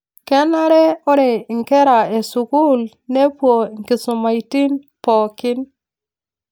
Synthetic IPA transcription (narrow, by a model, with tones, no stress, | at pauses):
kɛ˦na˦ɾɛ˦ɔ˦ɾe˨ŋ˨kɛ˦ɾa˨e˨su˨ku˦l | ne˦pwo˨ŋ˨kɪ˨sʊ˨ma˨i˨ti˦n | pɔ˨kɪ˦n